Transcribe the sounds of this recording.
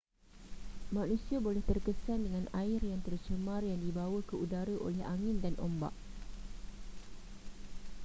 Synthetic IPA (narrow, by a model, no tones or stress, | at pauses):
mãnũsiabolɛht̪ərkəsandəŋãnaɪrjaŋt̪ərt͡ʃəmãrjaŋdibawəkəudaɾəʔo̰lɛɦaŋɪ̃ndanʔo̰mba̰ʔ